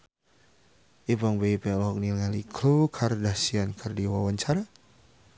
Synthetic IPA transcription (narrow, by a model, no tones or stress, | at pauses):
ʔibɔŋbeipɛlɔɦɔk̚nilŋalikʰlukʰardahsiankʰərdiwawaɲt͡ʃaɾa